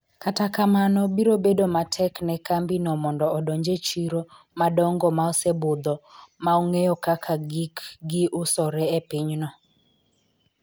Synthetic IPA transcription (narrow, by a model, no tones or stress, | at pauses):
katakamanɔbiɾobedomatʰɛknɛkambinɔmɔndɔɔdɔɲd͡ʒet͡ʃiɾo | madɔŋɡɔmaɔsebʊd̪ɔmaɔŋejɔkakʰaɡikɡɪʔʊsɔɾɛepɪɲnɔ